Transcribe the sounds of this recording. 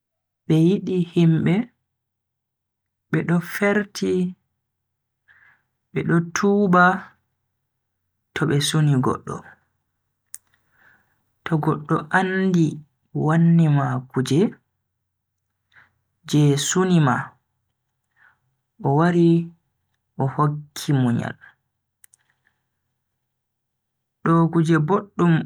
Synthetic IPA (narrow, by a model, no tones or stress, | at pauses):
ɓɛjiɗihimɓɛ | ɓɛɗɔfeɾtʰi | ɓɛɗɔtʰuːba | tʰɔɓɛsuniɡɔ̰ɗːɔ̰ | tɔɡɔɗːɔʔandi | wanːimakud͡ʒɛ | d͡ʒɛsunima | ʔɔwaɾi | ʔɔhokʰːimuɲa̰l | ɗɔkud͡ʒɛboɗːum